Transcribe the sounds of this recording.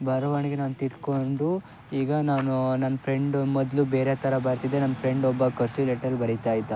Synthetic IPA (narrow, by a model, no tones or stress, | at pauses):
bʱɐɾɐʋɐɳiɡenaːnut̪iɾkoɳɖu | iːɡɐnaːnunɐnːɐpʰɾe̞ɳɖmɔd̪lubeːɾet̪ʰɐɾɐbɐɾt̪id̪enɐnːɐpʰɾe̞ɳɖɔbːɐkɐɾsileːʈɐɾubɐɾit̪aːjid̪ɐ